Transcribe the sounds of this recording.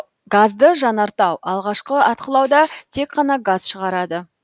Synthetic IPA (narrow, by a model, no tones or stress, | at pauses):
ɡazd̪əʒɑnɑɾt̪ɑwɑlˠʁɑʃqəɑt̪qəlˠɑwd̪ɑt̪ʰe̞kqɑnɑɡaz̥ʃəʁɑɾɑd̪ə